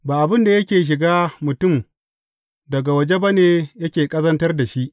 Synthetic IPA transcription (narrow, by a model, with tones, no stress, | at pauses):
baː˨ʔa˨bɪ˦nda˨jɐ˦kʲeː˨ʃ̬ɪ˨ɡaː˦mʊ˨tʊ˦˨m | dɐ˨ɡa˨wɐ˨d͡ʒe˦bɐ˦neː˨jɐ˦kʲeː˨kʼɐ˦zɐ˦ntɐ˦rda˨ʃi˦ʔ